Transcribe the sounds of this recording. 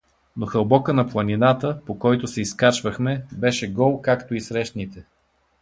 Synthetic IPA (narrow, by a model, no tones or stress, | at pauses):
noxəlˠbɔkənɐplˠɐninat̪əpokɔjt̪osɛiskat͡ʃvəxmɛbɛʃɛɡɔlˠkakt̪oisɾɛʃt̪nit̪ɛ